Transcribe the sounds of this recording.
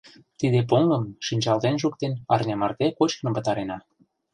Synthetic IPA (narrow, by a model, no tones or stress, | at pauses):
t̪id̪ep̬oŋɡə̆mʃinʲt͡ɕɑlt̪enʒuk̚t̪enɑrnemɑrt̪ekot͡ɕknɤ̆əmpə̆t̪ɑɾenɑ